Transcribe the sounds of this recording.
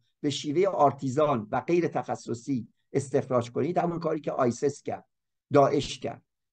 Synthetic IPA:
b̥e̞ʃiːve̞jeʔɒːɾt̪ʰiːzɒːnvæɡe̞jɾet̪ʰæxæsːosiː | e̞st̪e̞xɾɒːd͡ʒkʰoniːd̪hæmɔnkʰɒːɾiːcʰeʔɒːjsescæ̰ɾd̪̥̚ | d̪ɒːʔe̞ʃcʰæ̰ɾd̪̥̚

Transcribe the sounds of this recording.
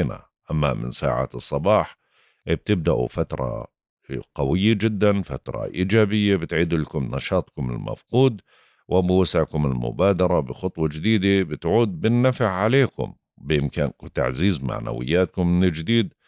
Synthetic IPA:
na̰ | ʔamːamɪ̰nsa̰ːʕa̰ːt̪ɨsˤːɑbɑːħ | ʔb̚t̪ɪb̚d̪aʔṵfat̪ɾˤɑ̰ | qɑwɪjːad͡ʒɪd̪ːanfat̪ɾˤɑ̰ʔiːd͡ʒaːbɪjːabɪt̪ʕiːd̪ulakʊmnɑʃɑːt̪ˤkʊmɪ̰lma̰fquːd̪ | wʔɪbɪwasɪʕkʊmɪlmʊ̰baːd̪ɑɾˤɑbɪxʊt̪ˤwɑd͡ʒɪd̪iːd̪abɪt̪ʕuːd̪̚bɪnːafɪʕʕaleːkʊ̰m | bɪʔɪmkaːnkt̪a̰ʕziːzma̰ʕna̰wɪ̰jːaːt̪̚kʊmːɪnɪd͡ʒd̪iːd̪

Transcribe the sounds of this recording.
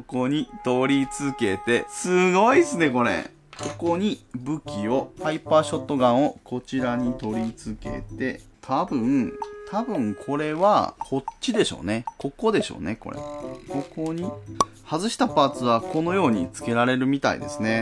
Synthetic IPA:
oko̞ɲ̟it̪o̞ɾʲit͡sɨke̞t̪e̞sɨɡo̞isɨne̞ko̞ɾe̞̰ | ko̞ko̞ɲ̟ibɯ̟kʲio̞haipːaɕo̞t̪ːo̞ɡãɰ̃o̞kʰo̞t͡ɕiɾaɲ̟it̪o̞ɾʲit͡sɨke̞̰t̪e̞t̪ʰabɯ̟̃ɴt̪ʰabɯ̟̃ŋkʰo̞ɾe̞βaho̞tt͡ɕid̪e̞ɕo̞̰ːne̞ko̞ko̞d̪e̞ɕo̞̰ːne̞ko̞̰ɾḛko̞koɲ̟i | hazɨɕi̥t̪apat͡sɨβako̞no̞jo̞ːɲ̟ḭt͡sɨ̥ke̞ɾaɾe̞ɾɯ̟mʲit̪a̰ḭd̪e̞̰sɨne̞

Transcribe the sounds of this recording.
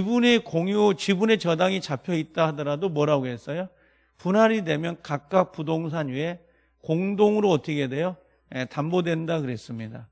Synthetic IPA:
ibunekoŋjut͡ɕibune̞t͡ɕʌdaŋit͡ɕapʰjʌit̚t͈ahadʌɾadomwʌɾaɡoɦes͈ʌjo | punɦaɾidwe̞mjʌnkak̚k͈ak̚p͈udoŋsʰaɲie̞ | koŋdoŋɯɾoʌtʰiɡedwe̞jo | jetambodwe̞ndakɯɾe̞s͈ɯmɲida

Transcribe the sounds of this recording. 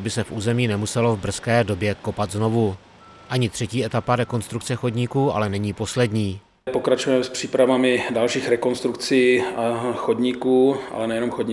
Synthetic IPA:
bɪsɛfʔuːzɛmiːnɛmusɛlo̞vbr̩skɛːdo̞bjɛko̞pat̪zno̞vu | ʔaɲɪt̪r̥ɛciːɛt̪apaɾɛko̞nst̪ɾukt͡sɛxo̞dɲikuːʔa̰lɛnɛɲiːpo̞slɛdɲiː | pokɾat͡ʃujɛmɛspr̝̥iːpɾavamɪdalʃiːxɾɛko̞nst̪ɾukt͡siːaxodɲikuːʔa̰lɛnɛjɛnomxodɲi

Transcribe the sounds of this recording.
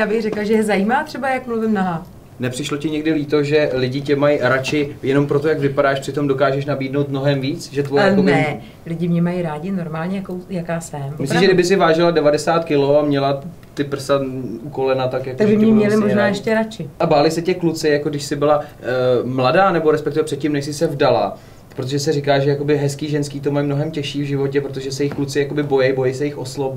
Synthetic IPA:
jaːbɪɣrɛklaʒɛjɛzajiːmaːt̪r̥ɛbajakmluvɪmnaɦa | nɛpr̥ɪʃlo̞cɪɲɛɡdɪliːt̪o̞ʒɛlɪɟɪcɛmajɾat͡ʃɪjɛno̞mpɾo̞t̪o̞jakvɪpadaːʃpr̥ɪt̪o̞mdo̞kaːʒɛʃnabiːdnowt̪mnoɦɛmviːt͡sʒɛt̪vojɛonbɪɛ | lɪɟɪmɲɛmajiɾaːɟɪno̞ɾmaːlɲɛjakowjakaːsɛmmmɪsɾiʒɛdɪbɪsɪvaːʒɪladɛvadɛsaːt̪kɪlo̞amɲɛla | t̪ɪpr̩sauko̞lɛnat̪akjakoaɡbɪmɛmɲɛlɪmoʒnaːjɛʃcɛɾat͡ʃɪʔabaːlɪsɛcɛklut͡sɪjakoɡdɪʃsɪbɪla | mladaːnɛbo̞ɾɛspɛkt̪ɪvɛpr̥ɛt̪̚cɪmnɛʃsɪsɛvdala̰ | pɾot̪oʒɛsɛrɪkaːʒɛjako̞bɪɦɛskiːʒɛnskiːt̪omajmno̞ɦɛmcɛʃiːvʒɪvo̞c̬ɛpɾot̪oʒɛsɛjɪxklut͡sɪjako̞bɪbo̞jɛjbo̞jɛjsɛjɪxʔo̞slob

